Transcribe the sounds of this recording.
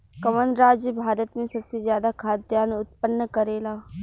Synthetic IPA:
kɐʋənɾaːd͡ʒjəbʱaːɾət̪mẽsɐbsezjaːd̪akʰaːd̪jaːnʊt̪̚pənːəkɐɾeːlaː

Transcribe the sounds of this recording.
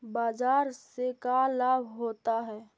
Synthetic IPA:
baːzaːɾsekalaːbʱɦoːt̪aɦɛː

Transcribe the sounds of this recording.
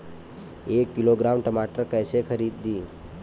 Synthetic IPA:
ekːiloɡɾamʈəmaʈəɾkəjsekʰəɾiːd̪ːĩː

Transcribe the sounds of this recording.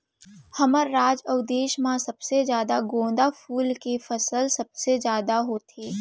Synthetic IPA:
hɐməɾːaːd͡ʒɔːd̪eːʃmãsɐbsezjaːd̪aɡõːnd̪afʰuːlkefɐsəlsɐbsezjaːd̪aɦoːt̪eː

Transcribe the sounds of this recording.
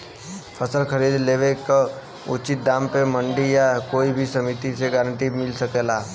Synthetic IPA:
pʰəsəlkʰəɾiːd̪leːʋeka | ʊt͡ʃit̪̚d̪ãːmpemə̃ɳɖijakoːibʱisɐmit̪iseɡəːɾə̃ɳʈimɪlsəkelaː

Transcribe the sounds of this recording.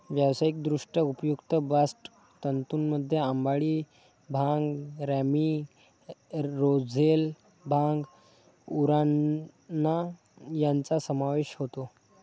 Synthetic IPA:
ʋjawsajik̚d̪ɾuʂʈəupəjukt̪əbasʈ | t̪ənt̪uːnməd̪ʱːjeambaɭiː | bʱaŋɡɾæmi | ɾod͡zʱel | bʱaŋɡ | uɾanː | a | jant͡sasəmaʋeɕɦot̪o

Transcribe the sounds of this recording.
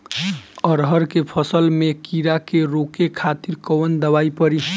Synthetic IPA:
əɾɦəɾkepʰəsəlmekiɾakeɾokekʰat̪iɾkəwənd̪əβaipəɾi

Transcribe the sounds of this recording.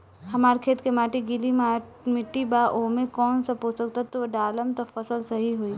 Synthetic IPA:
hɐmaːɾkʰeːt̪kemaːʈiɡɪlima | mɪʈːibaːʔoːmẽkɔːnsɐpoːsɐkt̪at̪oɖaːləmt̪ɐfɐsəlsɐɦiɦoi

